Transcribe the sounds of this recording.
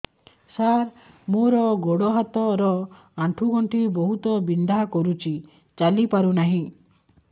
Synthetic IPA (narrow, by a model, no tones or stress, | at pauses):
saɾ | moɾɔɡoɽɔɦat̪ɔɾɔ | aʈʰuɡɔɳʈʰibɔɦut̪ɔbind̪ʱakɔɾut͡ʃʰi | t͡ʃalipaɾunaɦĩ